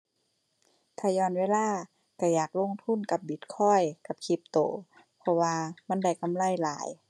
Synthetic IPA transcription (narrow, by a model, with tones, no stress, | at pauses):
t̪ʰaː˧˩jɔː˧˨nweː˧˥˨laː˧˥˨ | ka˧˩jaː˨˩k̚lo˧˨ŋt̪ʰu˧˥˨nka˧˦p̚bi˨˦t̪̚kʰɔ˧˥˩jka˧˦p̚kʰi˧˦p̚t̪o̰ː˨˦ | pʰɔ˧waː˧ma˧˥˨nda˧˩jka˧˥˨mla˧˨jlaː˨˦j